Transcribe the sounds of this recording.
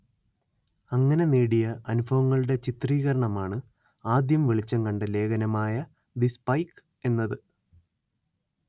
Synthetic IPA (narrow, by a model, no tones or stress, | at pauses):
ɐŋːɐne̞neːɽijɐʔɐnubʱɐʋɐŋːɐɭuɽe̞t͡ɕit̪riːɣɐɾɐɳɐmaːɳɨ | aːd̪jɐmʋiɭit͡ɕːɐŋkɐɳɖɨle̞ːɡɐnɐmaːjɐ | d̪ispɐjk | e̞nːɐðɨ